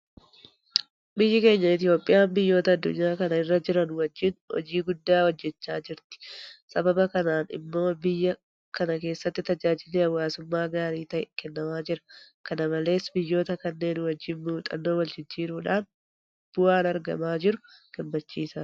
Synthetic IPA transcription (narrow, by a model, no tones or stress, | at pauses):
bɪjːɪke̞ːɲːɐɪt̪ɪjo̞ːpʼːɪjaːmbɪjːo̞ːt̪ɐːd̪ːʊ̰ɲːaːkɐnɐɪrːɐd͡ʒɪɾɐnwɐd͡ʒːɪnhɔ̰d͡ʒiːɡʊd̪ːaːwɐd͡ʒːɛt͡ʃːaːd͡ʒɪɾt̪ɪ̥sɐbɐbɐkɐnaːnɪ̰mːo̞ːbɪjːɐ | kɐnɐke̞ːsːɐt̪ːɪt̪ɐd͡ʒaːd͡ʒɪleːɐwːaːsʊmːaːɡaːɾiːt̪ɐʔɛkɛnːɐmaːd͡ʒɪɾɐ̥ | kɐnɐmɐle̞ːsbɪjːo̞ːt̪ɐkɐnːe̞ːnwɐd͡ʒːɪnmuːt̪ʼɐnːoːwɐld͡ʒɪd͡ʒːiːɾuːᶑaːn | b̥ʊwaːnɐɾɡɐ̰maːd͡ʒɪɾʊɡ̥ɐmːɐt͡ʃːiːsaː